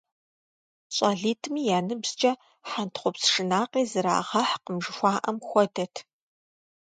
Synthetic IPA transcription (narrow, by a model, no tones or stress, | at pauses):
ɕʼaːɮiːtʰmiːjaːnɨbz̥t͡ʃʼɐ | ħantχʷʊpsʂɨnaːqiːzɨɾa̰ːʁɐħqəmʒɨxʷɑːʔɐmxʷɔdɐtʰ